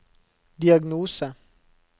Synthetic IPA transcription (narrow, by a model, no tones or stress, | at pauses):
diaɡnoːsa